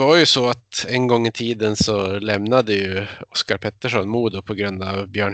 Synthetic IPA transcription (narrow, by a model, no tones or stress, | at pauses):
vaɾjɵsɔat̪ɛnɡɔŋːɪt̪ʰiːd̪ənsɔlɛmnad̪əjɵɔskaɾpʰɛt̪ːəʂɔnmuːd̪ʊpʰɔɡɾɵnd̪avbjœːɳ